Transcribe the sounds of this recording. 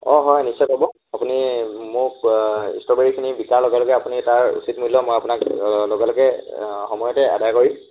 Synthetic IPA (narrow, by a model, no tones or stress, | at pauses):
ɔɦɔjnisɔjtɔbɔ | apunimʊɹḭstɔbeɹikʰinibikaɹloɡɛloɡɛapunitaɹṵsitmuilɔmojapunakloɡɛloɡɛxɔmɔjɔtɛa̰dajkoɹi